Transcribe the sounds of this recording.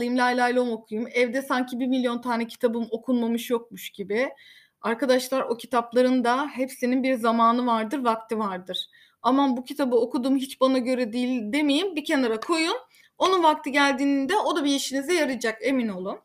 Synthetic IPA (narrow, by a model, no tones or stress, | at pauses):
ɯjɯmlʲajlʲˠaːjlʲˠomo̞kʰujumɛvd̪ɛsaɲcʰibiɾmilʲijo̞nt̪ʰaːnɛcʰi̥t̪ʰabɯmo̞kʰunmamɯʃjok̚muʃɟibɪ | aɾkad̪aʃlˠaɾʔo̞cʰi̥t̪ʰaplˠaɾɯnd̪aɦepsininbiɾzamaːnɯvaɾd̪ɯɾvak̚t̪ʰɯvaɾd̪ɯɾ̥ | amabucʰit̪ʰabɯo̞kud̪uːmɦit͡ʃbanaɟø̞ɾɛd̪ijlʲd̪e̞mejimbicʰe̞naɾakʰo̞jun | o̞nunvak̚t̪ʰɯɟælʲd̪iːnind̪ɛo̞d̪abijeʃinizɛjaɾɯd͡ʒake̞mino̞lˠum